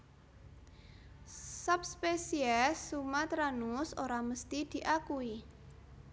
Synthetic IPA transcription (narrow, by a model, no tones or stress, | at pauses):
sap̚spesiɛsːumat̪ɾanusoɾaməst̪id̪̥i̤ʔakui